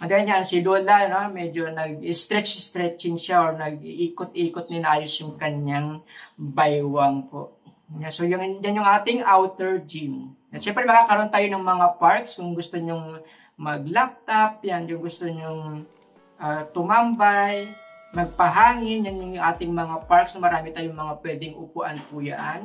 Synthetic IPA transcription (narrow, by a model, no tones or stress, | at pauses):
d̪ajnɲansɪloːlɐnomɛd͡ʒonɐɡ̚ɪst̪ɾɛt͡ʃst̪ɾɛt͡ʃɪŋʃaʔoɹnɐɡ̚ʔiːkot̪̚iːkot̪̚nɪnʔaːjosjʊŋkɐɲɲaŋbajwaŋpo̰ʔ | jasojʊŋjanjʊŋʔaːt̪ɪŋʔawt̪ɛɹd͡ʒim | ɐʃɛmpɾɛmɐkaːkɐɾont̪aːjonɐŋmɐŋapaɹkskʊŋɡʊst̪oɲʊŋ | mɐɡ̚lap̚t̪ap̚janjʊŋɡʊst̪oɲʊŋ | ʔat̪ʊmambaj | mɐɡ̚pɐɦaːŋɪnjanjʊŋjʊŋʔaːt̪ɪŋmɐŋapaɹksnɐmɐɾaːmɪt̪aːjoŋmɐŋapwɛːd̪ɪŋʔʊpʊʔanpʊja̰ʔan